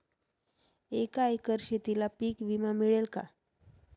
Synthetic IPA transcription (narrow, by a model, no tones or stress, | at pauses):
ekajkəɾɕet̪ilapiːkʋimamiɭelka̰